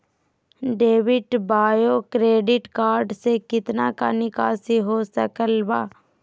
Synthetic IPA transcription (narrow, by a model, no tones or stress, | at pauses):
ɖeːʋɪʈbaːjokɾeːɖɪʈkaːɾɖsekɪt̪nakanɪkaːsiɦosəkəlbaː